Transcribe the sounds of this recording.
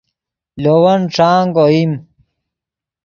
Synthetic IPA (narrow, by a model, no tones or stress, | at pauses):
lowɐnʈ͡ʂaːŋɡoim